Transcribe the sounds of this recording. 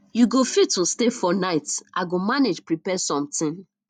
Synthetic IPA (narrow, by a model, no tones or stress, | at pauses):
juɡofitːustefɔnaɪtʔa̰ɡomaned͡ʒpɹipɛsɔ̃mtɪ̃n